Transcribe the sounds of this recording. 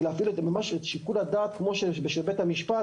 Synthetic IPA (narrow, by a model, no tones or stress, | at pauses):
lːfiluemamaʃetʃikulad̪aːt̪̚kmo̞ʃebeʃebet̪hamiʃpa